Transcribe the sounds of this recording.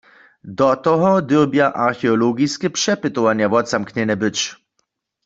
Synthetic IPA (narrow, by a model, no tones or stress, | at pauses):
d̪ɔt̪ɔɦɔd̪ɘbjaʔaɾxɛɔlɔɡiskʲɛpʂɛpɘt̪ɔvaɲavɔt̪samkɲɛnɛbɘt͡ɕ